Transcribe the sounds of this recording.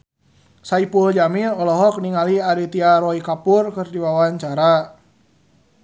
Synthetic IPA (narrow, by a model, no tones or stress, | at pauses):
saipuld͡ʒaminɔlɔɦɔk̚niŋaliaɾit̪iaɾɔikapurkɨrdiwawaɲt͡ʃaɾa